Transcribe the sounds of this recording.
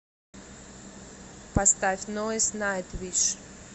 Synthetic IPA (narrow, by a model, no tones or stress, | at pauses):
past̪afʲnoəsʲnaet̪vʲiʂ